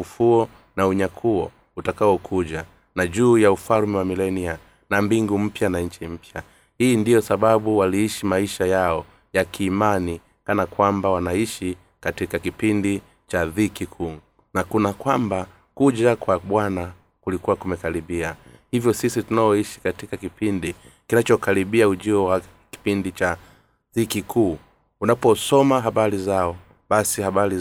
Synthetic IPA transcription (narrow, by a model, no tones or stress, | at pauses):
ufuɔ | nauɲakʰuɔ | utakaɔkʰuʄa | naʄuːjaufalmɛwamilɛnia | nambiŋɡum̩pjanaɲt͡ʃim̩pja | hiːndijɔsaɓaɓuwaliiʃimaiʃajaɔ | jakiːmani | kanakwambawanaiʃi | katikakipindi | t͡ʃaðikikʰuː | nakunakwamba | kuʄakwaɓwana | kulikuwakumɛkaɾiɓiahivjɔsisitunaɔiʃi̥katikakipindikinat͡ʃɔkaliɓiauʄiɔwa | ki̥pindit͡ʃa | ðikikʰuː | unapɔsɔmaɦaɓaɾizaɔ | ɓasihaɓaɾi